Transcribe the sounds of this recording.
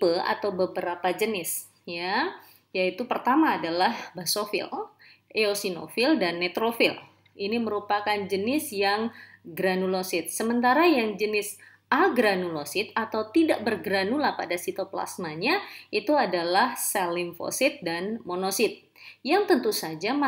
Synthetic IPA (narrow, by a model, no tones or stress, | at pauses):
pəa̰t̪awbəbəɾapad͡ʒənɪs | ja | jait̪upərt̪amaːdalahbasofɪ̰l | ʔeosino̰fɪldanːɛt̪ɾofɪl | iniməɾupakand͡ʒənɪsjaŋɡɾanulosɪt̪̚səmənt̪aɾajaŋd͡ʒənɪs | ʔaɡɾanulosɪt̪̚at̪awt̪idaʔbərɡɾanulahpadasit̪opla̰smaɲait̪uadalahsalɪmfo̰sɪt̪̚danmonosɪt̪̚ | jaŋt̪ənt̪usad͡ʒam